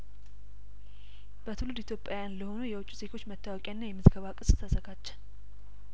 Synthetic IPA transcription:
b̥ət̪ʰɨlud̪it̪jo̞pʼjajanləho̞nujɛwʊt͡ʃʼːuzeɡo̞t͡ʃːmət̪ʰːawɔkʼaɨnːajɛmɨzɡəβakʼɨsʼɨ̥t̪ʰːəsəɡat͡ʃːɛ̥

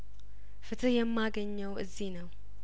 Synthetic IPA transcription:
fɨt̪ʰɨjɛmːaɡəɲːəwɨ̰zːihnəw

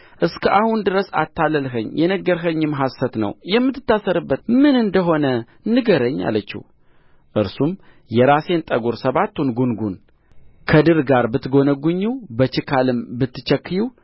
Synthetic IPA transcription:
ʔɨskʰəʔahund̪ɨɾəsa̰t̪ʰːaləlɦəɲːjɛnəɡːəɾɦəɲːɨmɦasːət̪nə̰wjɛmːɨt̪ːɨ̥t̪ːasəɾɨbːət̪mɨnɨnd̪əɦo̞nə | nɨɡəɾəɲːa̰lːət͡ʃːḭh | ʔɨɾsum | jɛɾase̞nt̪ʼəɡuɾsəβat̪ːunɡunɡun | kʰəd̪ɨɾɡaɾbɨt̪ːɡo̞nəɡuɲːiwbət͡ʃɨkʰalɨmbɨt̪ːɨ̥t͡ʃːəkːɨjiw

